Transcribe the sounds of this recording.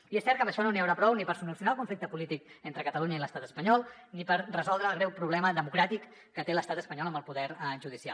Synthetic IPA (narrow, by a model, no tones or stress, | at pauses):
iesɛɾt̪kəmbəʃɔnoniəwɾapɾɔwnipəɾsulusiunaəlˠkuɱflik̚t̪əpulit̪ik̚ent̪ɾəkət̪əluɲəiləst̪at̪əspəɲɔlˠ | nipəɾrəzɔlˠd̪ɾəːlɣɾɛwpɾuβlɛməðəmukɾat̪ikː | ət̪eləst̪at̪əspəɲɔləmbəlˠpuðɛɾʒuðisia̰l